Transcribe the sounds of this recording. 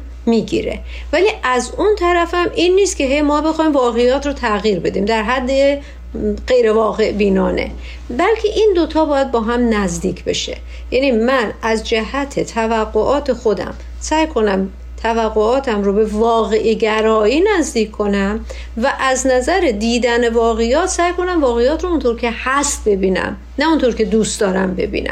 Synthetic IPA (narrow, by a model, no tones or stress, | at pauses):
miːɡḭɾe̞̰ | væliːʔæzunt̪ʰæɾæfæmʔinːiːst̪̚cʰʲe̞ɦe̞jmɒːbe̞xɒːiːmvɒːɣejɒːt̪ʰɾot̪ʰæɣiːɾbe̞d̪iːmd̪æɾɦæd̪ːe | ɢejɾevɒːɣe̞ʔbiːnɒːne̞̰ | bælcʰe̞ʔind̪ot̪ʰɒːbɒːjæd̪̚bɒːɦæmnæzd̪iːcʰbe̞̰ʃḛ | jænimænæzd͡ʒæhæt̪ʰe̞t̪ʰævæɡːoʔɒːt̪ʰe̞xo̞d̪æ̰m | sæjkʰo̞næm | t̪ʰævæɣːoɒːt̪ʰæmɾobe̞vɒːɣeʔiɟæɾɒːiːnæzd̪iːkʰkʰːo̞næm | væʔæznæzæɾe̞d̪iːd̪æne̞vɒːɣejɒːt̪sæjkʰo̞næmvɒːɣejɒːt̪ɾount̪ʰoɾcʰe̞hæst̪̚be̞biːnæ̰m | næunt̪ʰoɾcʰe̞d̪uːst̪d̪ɒːɾæmbe̞̰bḭːnʔæ̰m